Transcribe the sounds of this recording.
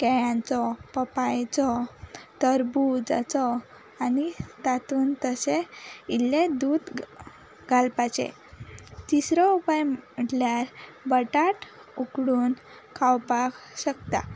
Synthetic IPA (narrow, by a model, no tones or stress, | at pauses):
kɛjãnt͡sɔpəpajt͡sɔt̪əɾbud͡za̰t͡sɔ | anit̪at̪uːnt̪əseilːed̪uːd̪ | ɡʱalpat͡ɕḛ | t̪isɾɔupajm̤əʈljaɾbəʈaʈ | ukɽuːn | kʰawpakɕəkt̪a̰